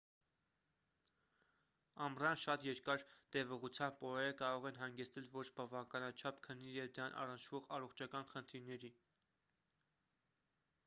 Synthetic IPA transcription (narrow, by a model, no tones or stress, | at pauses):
ɑmrɑnʃɑt̪jɛɾkɑɾt̪ɛvɔʁut͡sʰjɑmb̚pɔɾɛɾəkɑɾɔʁɛnɦɑŋɡɛt͡sʰt̪ɛlvɔt͡ʃʰbɑvɑkɑnɑt͡ʃʰɑpkʰənːijɛvd̪əɾɑnʔɑ̰rənt͡ʃʰvɔʁɑrɔχt͡ʃʰɑkɑnχənt̪ʰiɾnɛɾi